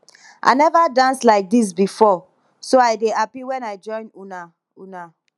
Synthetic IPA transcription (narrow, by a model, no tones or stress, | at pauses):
ʔa̰nɛvadãnslaɪk̚dis̬bifɔ | soaɪdeapiwɛ̃naɪd͡ʒɔ̃ɪ̃nuna | una